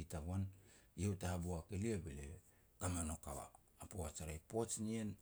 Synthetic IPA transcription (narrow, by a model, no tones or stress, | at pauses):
itaɡwanjewtahabuakeliabelḛ | kamano̞ka̰wa̰ː | poat͡ʃaɾajpot͡ʃnien